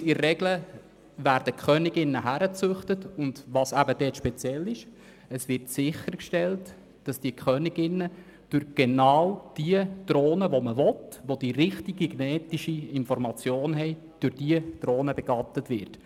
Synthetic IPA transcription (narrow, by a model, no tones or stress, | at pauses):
ɪːɛɡlə | ʋæːɾd̥əkʰχœːnɪɡɪnːəɦæɾət͡sʉχtətʊndʋɑːsæbəd̥ɛːtʃpɛt͡sjɛlːɪʃ | əsʋɪrtsɪχəɾkʃtɛlt | d̥ɑsd̥iəkʰχœnɪɡɪnːə | d̥ʉɾɡ̥enɑːwd̥iəd̥ɾoːnəʋoməʋɔtʋod̥iɾɪχtiɡiɡnɛːtiʃiɪnfɔɾmɑt͡sjoːnɦɛɪ | d̥ʊɾd̥iəd̥ɾoːnəbɛɡ̥ɑtətʋɪɾt